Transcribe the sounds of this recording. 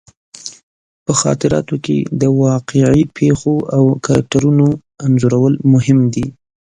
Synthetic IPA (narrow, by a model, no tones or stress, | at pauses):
pəxɑ̰t̪ɪɾɑ̰t̪okḛd̪əwɑqeʕipʰexoawkaɾa̰k̚ʈaɾuno | anzoɾawəlmʊhɪmd̪i